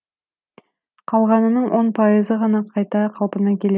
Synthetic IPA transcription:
qʰɑlˠʁɑnə̆nəɴwʔonpʰɑjəzəʁɑnɑqʰɑjt̪ɑqʰɑlˠpə̆nɑkʲele

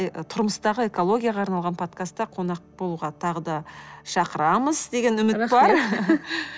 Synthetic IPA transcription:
jt̪ʰʊɾməst̪ɑʁəe̞ko̞lˠo̞ɡʲijaʁɑːɾnɑlˠʁɑnpʰo̞t̪kast̪ːɑqʰo̞nɑq̚b̥o̞lˠuʁɑt̪ʰɑʁəd̪ɑʃɑqəɾɑməzd̪e̞ɡʲe̞nʏmɪt̪bɑɾ

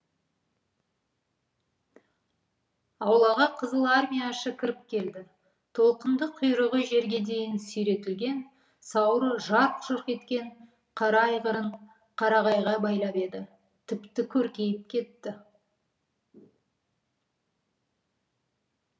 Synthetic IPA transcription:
ɑwlˠɑʁɑqʰəzəlˠaɾmʲijaʃəkʲʰɪɾɪp̚kʲʰe̞ld̪ɪ | t̪ʰo̞lˠqənd̪əqʰʏjɾəʁəjʒe̞ɾɡʲe̞d̪e̞jɪnsɵjɾe̞t̪ɪlɡʲe̞n | sɑwɾəʒɑɾt̪ʒ̥əɾqe̞t̪kʲe̞ɴ | qʰɑɾɑɑjʁəɾəɴ | qʰɑɾɑʁɑjʁɑbɑjlˠɑpe̞d̪ɪ | t̪ʰɪpt̪ɪkʲʰɵɾkʲe̞jɪp̚kʲʰe̞t̪ːɪ

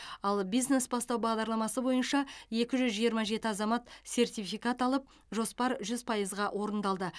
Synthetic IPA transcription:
ɑlˠbijzne̞sbɑst̪ɑwbɑʁd̪ɑɾlˠɑmɑsəbo̞jənʃɑje̞kʲɪʒʏzʒijəɾmɑʒe̞t̪ɪɑzɑmɑt̪se̞rt̪ijfijkat̪ɑlˠəp̚ | ʒo̞spɑɾʒʏzpʰɑjəzʁɑwʔo̞ɾənd̪ɑlˠd̪ə

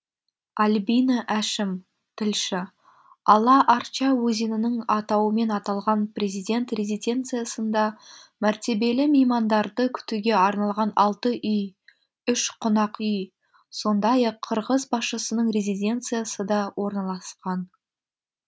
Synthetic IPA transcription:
ɑlʲbinəʔæʃɪm | t̪ʰɪlʃɪ | ɑlˠɑʔɑɾt͡ʃɑwɵzenɪnɪŋɑt̪ɑwəme̞nɑt̪ɑlˠʁɑnprʲezijd̪e̞nt̪re̞zijd̪ʲe̞nt̪sɨjasənd̪ɑmæɾt̪e̞be̞lɪmejmɑnd̪ɑɾd̪əkʲʰʏ̥t̪uɡʲe̞ɑɾnɑlˠʁɑnɑlˠt̪əʔʏj | ʏʃqʰʊnɑqʏj | so̞nd̪ɑjɑqʰːəɾʁəzbɑsʃəsənəɴre̞zijd̪ʲe̞nt̪sɨjasəd̪ɑwo̞ɾnɑlˠɑsqɑn

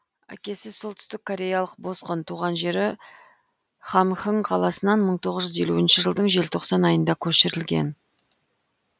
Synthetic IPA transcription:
æ̰kʲe̞sɪsolˠt̪ʰʏ̥st̪ɪkʰːo̞ɾʲe̞jɑlˠəq̚bo̞sqənt̪ʰuʁɑnʒe̞ɾɪ | χɑmχəɴqʰɑlˠɑsənɑnməɴt̪ʰo̞ʁəʒʏze̞luɪnʃɪʒəlˠd̪əɴʒe̞lt̪ʰo̞qsɑnɑjənd̪ɑkʲʰɵʃɪɾɪlɡʲe̞̰n

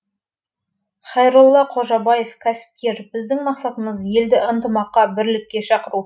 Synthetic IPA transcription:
χɑjɾulˠːɑqʰo̞ʒɑbɑje̞fkʲʰæsɪ̥p̚kʲe̞ɾbɪzd̪ɪŋmɑqsɑt̪əməzje̞ld̪ɪənt̪əmɑqːɑbɪɾlɪk̚ʲːe̞ʃɑqəɾu

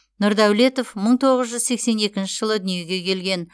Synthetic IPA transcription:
nʊɾd̪æwle̞t̪o̞fməɴt̪ʰo̞ʁəzʒʏzse̞kse̞ne̞kʲɪnʃɪʒəlˠəd̪ʏnije̞ɡʲe̞kʲʰe̞lɡʲe̞n

